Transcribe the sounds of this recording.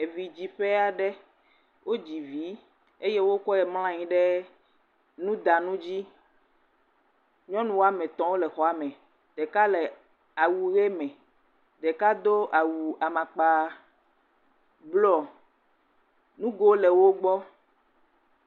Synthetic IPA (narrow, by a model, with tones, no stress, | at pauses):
e˨vi˨d͡ʑi˨ɸe˦a˨ɖɛ˦ | wʔo˦d͡ʑi˨vi˨˦ | e˦je˦wo˦kɔ˦jɛ˨ml̃ã˦ɲĩ˦ɖɛ˦ | nũ˦d̪a˨nũ˦d͡ʑi˦ | ɲɔ̃˦nũ˦˨wo˦a˨mɛ̃˨t̪ɔ̃˦wo˦lɛ˨xɔ˨a˨mɛ̃˨ | ɖ̥ɛ˨ka˦lɛ˨ | a˨wu˨ɣe˦mɛ̃˨ | ɖɛ˨ka˦d̪o˦ʔa˨wu˨a˨mã˨k͡pa˨ | blɔ˦ | nũ˦ɡo˦lɛ˨wo˦ɡ͡bɔ˦